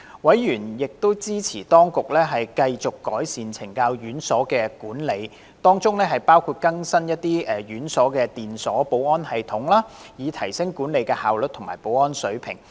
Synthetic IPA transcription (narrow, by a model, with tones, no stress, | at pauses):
wɐ˨˥jjyː˨˩njɪ˨k̚t̪o˥wt͡siː˥t͡sʰiː˨˩t̪ɔː˥ŋkʊ˨k̚lɛː˥ɦɐ˨jkɐ˧jt͡sʊ˨kːɔː˨˥jsiː˨nt͡sʰɪ˨˩ŋkaː˧wjyː˨˥nsɔː˨˥kɛː˧kuː˨˥nle˨˧j | t̪ɔː˥ŋt͡sʊ˥ŋlɛː˥ɦɐ˨jpaː˥wkʰuː˧t̚kɐ˥ŋsɐ˥njɐ˥t̚t̪iː˥ʔɛː˨jyː˨˥nsɔː˨˥kɛː˧t̪iː˨nsɔː˨˥po˨˥wɔː˥nhɐ˨jt̪ʰʊ˨˥ŋlaː˥jiː˨˧t̪ʰɐ˨˩jsɪ˥ŋkuː˨˥nle˨˧jkɛ˧haː˨wlɵ˨t̪̚ʰʊ˨˩ŋmaː˨˩jpo˨˥wɔː˥nsɵ˨˥ɥpʰɪ̰˨˩ŋ